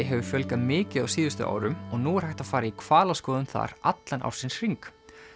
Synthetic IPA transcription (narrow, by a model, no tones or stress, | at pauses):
ɦɛvʏfjœlkamɪːcɪðawsiːðʏst̪ʏ̰ʔa̰ːwɾʏmɔɣnuːɛɾhajht̪aðfaːɾaikʰv̥aːlaskɔːðʏmθa̰ɾat̪lanʔa̰wɾ̥sɪnsr̥iŋk